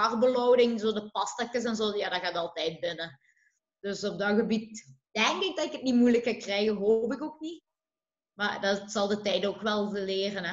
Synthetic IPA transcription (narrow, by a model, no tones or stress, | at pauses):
ɑrbəlowdɪŋzoːdəpɑstakəs̬ɛnzoːjaːdɑɣaːtɑlˠtɛjt̚bɪnə | d̥ɵsɔb̚dɑɣəbit̚d̥ɛŋkɪɡ̚dɑtɪkət̚nimujləkːakrɛjɣəɦop̬ɪkok̚ni | madɑtsɑlˠdətɛjdənokʋɛlˠvəlɪːrənɛ